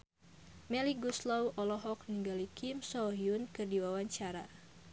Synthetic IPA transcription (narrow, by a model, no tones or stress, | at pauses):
mɛliɡuslɔwʔɔlɔɦɔk̚niŋɡalikʰimsɔɦjunkɨrdiwawaɲt͡ʃaɾa